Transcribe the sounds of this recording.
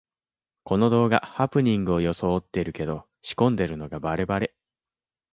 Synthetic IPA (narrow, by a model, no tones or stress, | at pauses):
ko̞no̞d̪o̞ːɡa̰hapɯ̟ɲ̟ĩŋɡɯ̟o̞jo̞so̞ːt̪ːe̞iɾɯ̟ke̞d̪o̞ | ɕi̥kõ̞nd̪e̞ɾɯ̟no̞ɡabaɾe̞baɾe̞